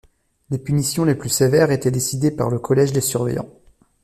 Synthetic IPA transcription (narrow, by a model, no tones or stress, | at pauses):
lepynisjɔ̃leplysevɛʁet̪ɛd̪esid̪epa̰ʁləkʰɔlɛʒd̪esyʁvɛ̰jɑ̰̃